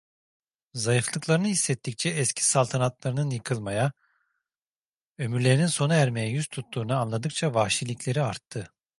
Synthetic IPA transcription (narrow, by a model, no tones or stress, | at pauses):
zajɯflˠɯklˠaɾɯnɯɦisːɛt̪ːic̚t͡ʃʰɛːscʰi̥salˠt̪ʰanat̪lˠaɾɯnɯnjɯkʰɯlˠmaja | ø̞myɾlʲe̞ɾininso̞nuæɾmejɛjyz̥t̪ʰut̪ːuːnɯanlˠad̪ɯk̚t͡ʃʰavaʃilʲicʲlʲe̞ɾiaɾt̪ʰːɯ